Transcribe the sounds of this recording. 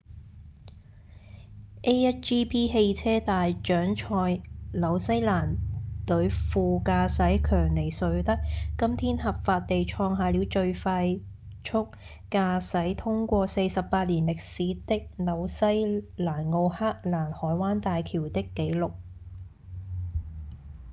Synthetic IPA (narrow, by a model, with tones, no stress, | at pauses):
ʔe˥ɛ˥t͡ʃiː˥pʰiː˥ɦe˧jt͡sʰɛː˥t̪aː˨jt͡ʃœː˨˥ŋt͡ʃʰɔː˧jlɐ˨˧wsɐ˥jlaː˨˩nt̪ɵ˨˥ɥfuː˨kaː˧sɐ˨˥jkʰœː˨˩ŋne˨˩jsɵ˨˧ɥt̪ɐ˥k̚kːɐ˥mt̪ʰiː˥nhɐ˨p̚faː˧t̚t̪ːe˨jt͡ʃʰɔː˧ŋɦaː˨liː˨˧wt͡ʃɵ˧ɥfaː˧j | t͡ʃʰʊ˥k̚ː | aː˧sɐ˨˥jt̪ʰʊ˥ŋkʷɔː˧se˧jsɐ˨pːaː˧t̚liː˨˩nlɪ˨k̚siː˨˧˥t̪ɪ˥k̚lɐ˨˩˧wsɐ˥jlaː˨˩nŋo˧whaː˥k̚laː˨˩nhɔː˨˥jwaː˥nt̪aː˨jkʰiː˨˩wt̪ɪ˥kːe˨˥jlʊ˨k̚